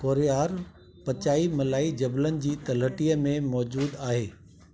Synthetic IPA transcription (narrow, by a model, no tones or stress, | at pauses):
koːɾijaːɾ | pɐt͡ɕaːimɐlaːid͡ʑɐblənɪ̆d͡ʑiːt̪ɐləʈijəmẽmɔːd͡ʑuːd̪aːɦeː